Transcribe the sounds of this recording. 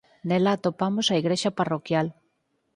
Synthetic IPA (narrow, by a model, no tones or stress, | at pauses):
nelaːt̪opamosaiɣɾeʃɐparokjal